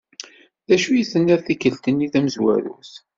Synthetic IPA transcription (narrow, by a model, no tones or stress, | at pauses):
ðæʃujəθənːæɾθikəlt̪ənːiθæməzwæ̰ɾṵs